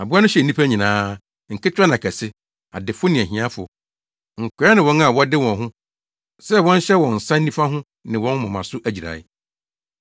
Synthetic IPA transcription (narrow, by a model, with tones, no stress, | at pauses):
a˨bʊ˦a˦nʊ̃˦ɕɛ˨n˦nĩ˦pʰæ˦ɲĩ˨nãː˦ | ŋ̩˨kʰɪ˦t͡ɕᶣɾa˦nã˨kʰɛ˨sɪ˦ | a̰˨dɪ˨fʊ˦nɪ̃˨æ˨ɦĩ˨˦ã˦fʊ˨ | ŋ̩˨kʰʷɪ˨˦a˦nɪ̃˨wɔ̃˦na˨wɔ˦dɪ˦wɔ̃˨nɦʊ̃˦ | sɛ˦wɔ̃˦n˦ɕɛ˦wɔ̃˨n̩˨sã˦n̩˦ĩ˦fa˦ɦʊ̃˦ | nɪ̃˨wɔ̃˦n˦mã˨mã˨sʊ˦ʔæ˨d͡ʑi˨ɾa̰˨ɪ˦